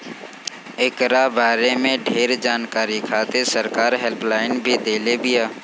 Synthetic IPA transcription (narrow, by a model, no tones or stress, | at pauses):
ɪkɾabaːɾemẽɖʱeːɾd͡ʒaːnkaːɾikʰaːt̪esəɾkaːɾɦɛlplaːɪnbʱid̪eːlebʱiaː